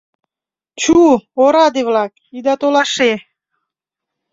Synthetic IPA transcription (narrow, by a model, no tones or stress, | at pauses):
t͡ɕuoɾɑd̪evlɑk | id̪ɑt̪olˠɑʃe